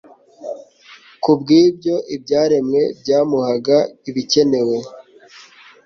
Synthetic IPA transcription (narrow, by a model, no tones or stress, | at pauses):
kubɡiːbɟo̞ʔibɟaːɾe̞mŋe̞bɟaːmuhaɡaiβice̞ne̞we̞